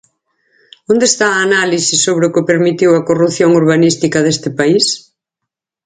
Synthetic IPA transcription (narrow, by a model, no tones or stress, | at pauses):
ond̪est̪aːnalisisːoβɾɪʊkɪpeɾmit̪iwɐkoruθjoŋuɾβanist̪ikɐðest̪ɪpais